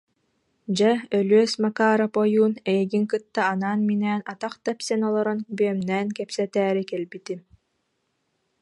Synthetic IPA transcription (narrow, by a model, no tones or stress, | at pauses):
d͡ʑaœlyœsmakaːɾapɔjuːnɛjɛɡiŋkɯt̪ːaːnaːnminɛːnat̪aqt̪apsɛnɔlˠɔɾɔnbyœmnɛːnkɛpsɛt̪æːɾikɛlbit̪i